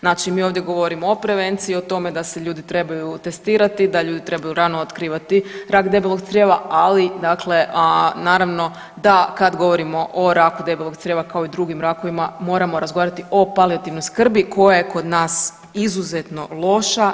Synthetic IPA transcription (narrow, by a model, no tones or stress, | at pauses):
znaːt͡ʃimiːo̞ʋd̪jeɡo̞ʋoɾimoopɾe̞ʋe̞nt̪siiot̪o̞me̞d̪ase̞ʎuːd̪it̪ɾe̞bajut̪e̞st̪iːɾat̪id̪aʎuːd̪it̪ɾe̞bajuɾanoot̪kɾiːʋat̪iɾaːkd̪e̞beloɡ̚t̪sɾjeʋaalid̪akle̞naːɾaʋno̞ | d̪akad̪ɡo̞ʋo̞ɾimo̞ʔoɾaːkud̪e̞belˠoɡt̪sɾjeʋakao̞id̪ɾuɡimɾako̞ʋimamo̞ɾamo̞ɾazɡoaɾat̪io̞paliat̪iʋnojskr̩biko̞jaje̞ko̞d̪naːs | izuzet̪no̞lˠo̞ʃa